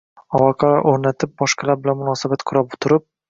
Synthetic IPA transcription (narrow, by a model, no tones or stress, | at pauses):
ɒwɒqʰɑoɾnat̪ʰɪp̚bɒʃqʰɑlaɾbɪlanmʊnɒsabat̪qʰʊɾapʊ̥t̪ʰʊɾɪp̚